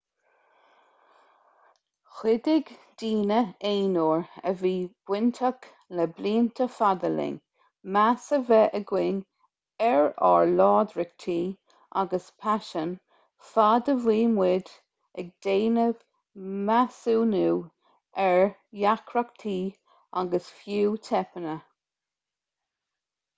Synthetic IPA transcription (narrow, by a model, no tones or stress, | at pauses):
xɪd̪ɪɡd̪̥iːnəeːnoɹə̰viːb̥wɪnt̪ʰak | lɛbliːnt̪ʰəfad̪əlɪ̰ŋ | masəvɛʔəɡwɪŋ | ɛɹɑ̰ɹlɑːd̪ɾɪk̚t̪ʰiː | a̰ɡəspʰaʃən | fadəviːmwɪd̪ | ɛɡ̚d̪̥eːnəv | masuːnuː | ɛɹjakʰɹak̚t̪ʰiː | aɡəsfjuːt̪ʰɛpənə